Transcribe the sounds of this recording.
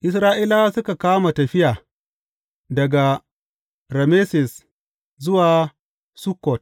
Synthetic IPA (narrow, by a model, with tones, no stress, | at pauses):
ʔɪ˨s̬ɾaː˦ʔiː˦laː˦sʊ˦ka˨kaː˦ma˨tɐ˨ɸɪ˦ʔaː˨ | dɐ˨ɡa˨ | ɾɐ˨meː˦sɪ˨s | zʊ˦waː˨ | su˦kːɔ˨t̚